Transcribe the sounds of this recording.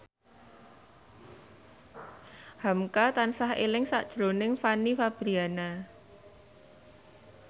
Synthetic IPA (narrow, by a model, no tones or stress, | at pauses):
hamkat̪ansahḛlɪŋsaʔd̥ʒ̥ɾonɪŋfanifab̥ɾiana